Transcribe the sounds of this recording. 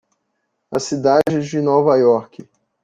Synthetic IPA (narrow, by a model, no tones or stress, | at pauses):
ɐsid̪ad͡ʒɪzd͡ʒɪnovajɔɾkɪ